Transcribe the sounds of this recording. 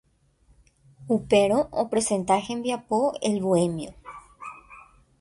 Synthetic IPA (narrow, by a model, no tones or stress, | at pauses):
upeɾoʔopɾesẽnt̪axembjapoelβoemjo